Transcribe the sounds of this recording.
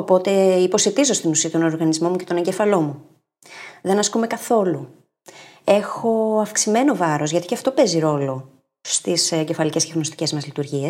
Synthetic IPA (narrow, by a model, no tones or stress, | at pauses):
o̞po̞t̪e̞ipo̞set̪izo̞st̪inusiɐt̪ono̞ɾɣɐnizmo̞muce̞t̪o̞ne̞ɲɟefɐlo̞mu | ðe̞nɐskume̞kɐθo̞lu | e̞xo̞ɐfksime̞no̞vɐɾo̞zʝɐt̪iceɐft̪o̞pe̞ziɾo̞lo̞ | st̪isɟefɐlice̞sceɣno̞st̪i̥ce̞zmɐzlit̪uɾʝies